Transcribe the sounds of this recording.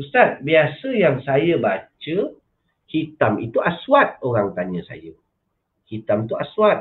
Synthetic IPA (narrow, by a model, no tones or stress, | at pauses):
usat̪̚biasəjaŋsajəbat͡ʃə | hit̪amit̪uʔaswat̪̚oɾaŋt̪aɲə̃sa̰jə | kit̪amt̪uaswat̪̚